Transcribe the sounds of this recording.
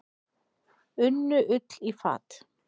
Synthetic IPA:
ʏnːʏʔʏt̪lifa̰ːt̪

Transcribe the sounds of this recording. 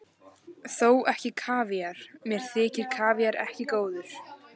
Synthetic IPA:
θoːwɛhcɪkʰaːviaɾ̥mjɛɾ̥θɪːcɪɾ̥kʰaːvjaɾɛ̰hcɪkoːwðʏɾ̥

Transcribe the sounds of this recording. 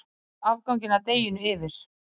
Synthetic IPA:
avkawŋcɪnat̪eːjɪnʏɪvɪɾ̥

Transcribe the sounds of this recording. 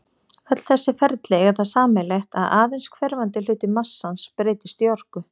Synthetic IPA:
œt̪l̥θɛsːɪfɛɾt̪lɛɣɛɾ̥θaðsaːmɪlext̪aðaːðɪnskʰvɛɾvant̪ɪlʏːt̪ɪmasːanspɾeːjt̪ɪ̥st̪jɔr̥kʏ

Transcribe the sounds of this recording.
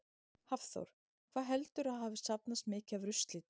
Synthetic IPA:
hafθo̰wɾ̥ | kʰv̥aːðɦɛlt̪ʏɾaðɦaːvɪsapnast̪mɪːcavɾʏst̪lɪt̪

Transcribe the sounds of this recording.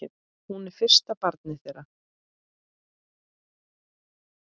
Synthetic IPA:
ɪp | hunɛɾ̥fɪr̥st̪apaɾt̪nɪθejɾa

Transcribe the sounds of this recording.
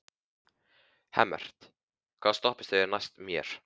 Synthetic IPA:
hɛ̰mːɛ̰r̥t̪ | kʰv̥aːðst̪ɔhpɪst̪θejɛɾnajst̪mjɛ̰ɾ̥

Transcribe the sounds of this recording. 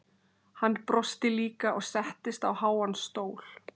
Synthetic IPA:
hanːpɾɔst̪ɪliːkaʔɔɣsɛht̪ɪst̪awhaːwansːt̪oːwl̥

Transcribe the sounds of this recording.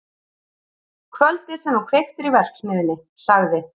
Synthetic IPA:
kʰvœlt̪ɪ̥sɛmnawkʰvext̪ɪɾivɛr̥ksmɪːðɪnːɪsaɣðɪ

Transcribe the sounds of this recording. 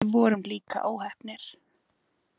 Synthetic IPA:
vɔːɾʏmliːka̰ʔaːwhɛhpnɪɾ̥

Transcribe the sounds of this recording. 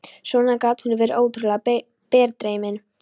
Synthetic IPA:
sɔnakaːt̪hʏnʏvɛːɾɪʔoːwt̪ɾʏla | pɛːɾt̪ɾejmɪn

